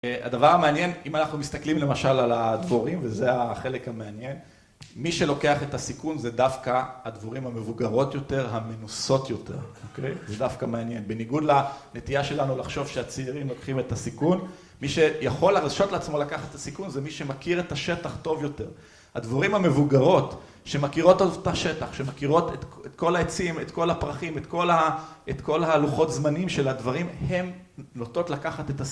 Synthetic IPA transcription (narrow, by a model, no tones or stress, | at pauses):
a̰d̪avaʁameanje̞nimanaχnumist̪aklimle̞maʃalalad̪voʁimvezeaχe̞lekhameanje̞n | miʃe̞lo̞ke̞aχe̞tasikunzedafkaad̪voʁimhame̞vuɡaʁo̞tjo̞te̞ʁɦamenuso̞tjo̞te̞̰ʁokejzedafkameanje̞nbeniɡud̪lane̞t̪ijaʃe̞lanulaχʃo̞vʃeat͡siːʁimlo̞kχime̞tasikun | miʃe̞jaχo̞laʁaʃo̞t̪leat͡smo̞lakaχatːasikunzemiʃe̞makiʁetaʃe̞taχto̞vjo̞te̞ʁ | had̪vaʁimhame̞vuɡaʁo̞t | ʃe̞makiʁo̞t̪ːovtaʃe̞taχʃemakiʁo̞tetet̪ko̞laet͡simet̪ko̞lapʁaχimet̪ko̞laʔet̪ko̞lhaːluχo̞t̪zmanimʃe̞lad̪vaʁimhe̞mnot̪o̞t̪lakaχat̪et̪as